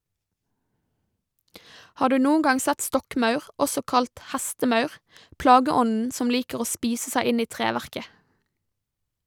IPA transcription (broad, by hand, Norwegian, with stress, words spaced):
ˈhɑː ˈɖʉː ˈnuːn̩ ˈɡɑŋ ˈsɛt ˈstɔkˌmɑʉʁ ˈɔsɔ ˈkɑlt ˈhæstəˌmɑʉʁ ˈplɑːɡəˌɔnn̩ ˈsɔm ˈliːkəʁ ˈoː ˈspiːsə ˈsæɪ ˈɪn ˈiː ˈtʁeːʋæʁkə